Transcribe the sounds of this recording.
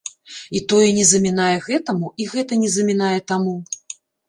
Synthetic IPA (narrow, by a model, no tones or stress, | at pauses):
it̪ɔjɛnʲɛzɐmʲinajɛɣɛt̪ɐmuʔiɣɛt̪ɐnʲɛzɐmʲinajɛt̪amu